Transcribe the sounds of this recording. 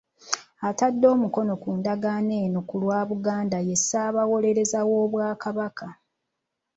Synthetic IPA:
atadːo̞ːmuko̞no̞kuːndaɡaːne̞ːnokulwaːβuɡaːndaje̞sːaːβawo̞le̞ɾe̞zawo̞ːβwaːkaβaka

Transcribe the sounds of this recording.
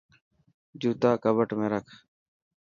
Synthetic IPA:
d͡ʒuːt̪aːkəbəʈmẽːɾəkʰ

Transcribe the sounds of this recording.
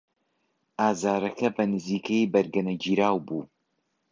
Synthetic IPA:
aːzaːɾɐkʰɐbɐnɨziːkʰejbɐɾɡɐnɐd͡ʒiːɾaːwbuː

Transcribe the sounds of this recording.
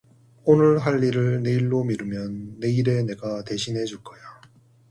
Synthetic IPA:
onɯɭɦaʎːiɾɯɭne̞iɭːomiɾɯmjʌnːe̞iɾe̞ne̞ɡate̞ɕʰinɦe̞d͡ʑuɭk͈ʌja

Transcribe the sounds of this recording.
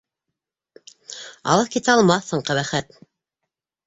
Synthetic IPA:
ɑ̰lˠɤθkit̪æɑlˠmɑθːɤ̆ɴqɑβæχæt̪

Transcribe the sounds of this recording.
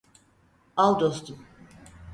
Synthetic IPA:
alˠd̪ost̪um

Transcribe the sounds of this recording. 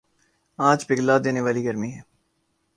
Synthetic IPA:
ãːd͡ʒbɪɡlaːd̪eːneʋaːliɡəɾmiɦɛː

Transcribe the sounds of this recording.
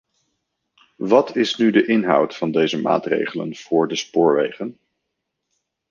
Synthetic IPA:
ʋɑtɪsnydəʔɪnɦʌ̰wtfɑndejzəma̰ːtrḛjχələ̰nv̥ʊːɹdəspʊːɹʋejχən

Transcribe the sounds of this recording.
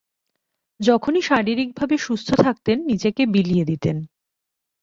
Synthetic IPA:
d͡ʑɔkʰoniʃaɽiɾik̚bʱabeʃust̪ʰot̪ʰak̚t̪enːid͡ʑekebilijed̪it̪en

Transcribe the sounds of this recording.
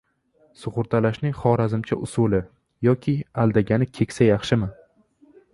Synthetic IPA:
sʊʁʊɾt̪ʰalaʃnɪŋχɒɾazɪmt͡ʃʰaʔʊsʊlɪ | jɒkʲʰɪalˠd̪aɡʲanɪkʲʰe̞kʲsajɑχʃɪmɪ

